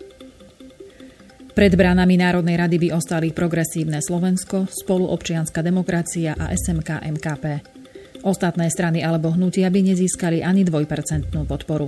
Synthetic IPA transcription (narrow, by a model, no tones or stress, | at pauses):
pɾɛd̪bɾanaminaːɾɔd̪nɛjɾad̪ibiʔɔst̪alipɾɔɡɾɛsiːʊnɛslɔʋɛnskɔspɔluʔɔpt͡ʃɪanskad̪ɛmɔkɾat͡siaʔa̰ʔɛsɛmkaʔɛmkaːpɛː | ʔɔst̪at̪nɛːst̪ɾanialɛbɔɦnucɪabiɲɛziːskaliʔaɲid̪ʋɔjpɛɾt͡sɛnt̪nuːpɔt̪pɔɾu